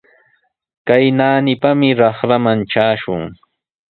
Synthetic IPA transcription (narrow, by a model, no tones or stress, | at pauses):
kajnaːnɪpamɪɾɑχɾamanʈ͡ʂaːʃʊŋ